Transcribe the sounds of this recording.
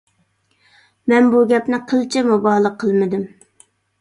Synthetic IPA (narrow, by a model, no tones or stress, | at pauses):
mɛnbuɡʲɛpnɪqʰəlˠt͡ʃʰɪmubɑlˠəqʰːəlˠmɨd̪ɪm